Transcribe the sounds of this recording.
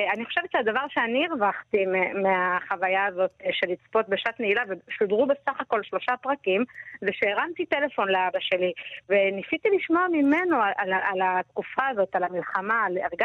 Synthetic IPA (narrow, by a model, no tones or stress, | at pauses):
aniχo̞ʃevet̪ʃead̪avaʁʃeaniːʁvaχt̪imemeaχavajaːzo̞tʃe̞lit͡spo̞t̪beʃatneilaveʃudʁube̞saχako̞lʃlo̞ʃapʁakimveʃeːʁamt̪it̪ele̞fo̞nleabaʃe̞livenifit̪iliʃmoamimenoaʔalaalat̪kufaːzo̞t̪alamilχamaleʁɡa